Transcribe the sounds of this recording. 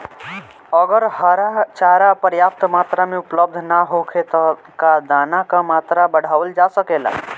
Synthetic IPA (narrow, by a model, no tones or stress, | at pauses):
əɡəɾhəɾat͡ʃaɾapəɾjap̚t̪mat̪ɾameupləb̚d̪ʱnaɦokʰet̪ɔ | kad̪anakamat̪ɾabəɽ̤awld͡ʒasəkela̰